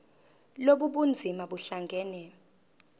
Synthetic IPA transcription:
loɓuɓund͡zʱimaɓuɬaŋɡʱɛːnɛ

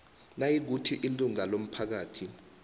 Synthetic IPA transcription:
najik̬utʰiʔiluŋalom̩pʰak̬aːtʰi

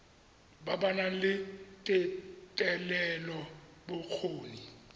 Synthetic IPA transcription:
babanalɪtʼɪtʼɛlɛlɔ | bʊk͡xʰoːni

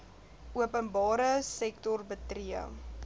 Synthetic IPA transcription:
ʔuəpənbɑːɾəsɛktɔrbətriə

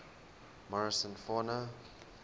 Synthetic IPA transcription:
mɔɹəsə̃nfɔnə

